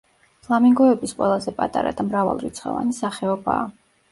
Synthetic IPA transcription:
pʰlˠamiŋɡɔɛbisqʼwɛlˠazɛpʼat̪ʼa̰ɾa̰d̪amɾava̰lˠɾit̪sʰχɔ̰va̰nisaχɛɔba̰ː

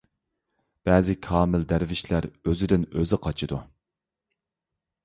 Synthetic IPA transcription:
b̥ɛːzɪkʰɑːmɪld̪æɾvɪʃlæɾøzɪd̪ɪnøzɪqʰɑt͡ʃʰid̪u

